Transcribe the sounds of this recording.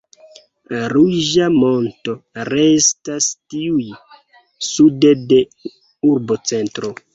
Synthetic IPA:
ɾuʒamo̞nto̞ɾe̞stastiuj | sudede̞ | uɾbo̞t͡se̞ntɾo̞

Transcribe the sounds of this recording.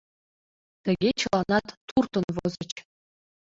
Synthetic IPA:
t̪ɘ̆ɡʲet͡ɕɤ̆lˠɑnɑt̪ːurt̪ɤ̆nʋɤ̆zɤ̆t͡ɕ

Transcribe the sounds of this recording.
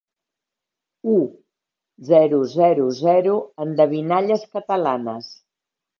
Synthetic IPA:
u | zɛɾuzɛɾuzɛɾuənd̪əβinaʎəskət̪əlanəs

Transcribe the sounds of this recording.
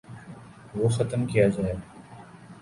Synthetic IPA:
ʋoːxət̪əmkijaːd͡ʒaːeː

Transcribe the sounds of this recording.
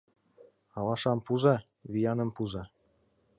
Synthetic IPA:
ɑlɑʂɑmpuzɑ | βʲijɑnɤ̆mpuzɑ

